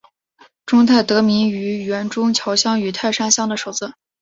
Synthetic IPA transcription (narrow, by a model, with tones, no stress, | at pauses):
ʈ͡ʂʊ˥ŋt̪ʰa˥˩ɪt̪ɤ˧˥mi˧˥ny˧˥ɥɛ˧˥nʈ͡ʂʊ˥ŋt͡ɕʰjɑ˧˥ʊɕjɑ˥ŋy˨˩t̪ʰa˥˩ɪʂa˥ɕjɑ˥ŋd̪ə˨ʂo˨˩ʊd͡z̩˥˩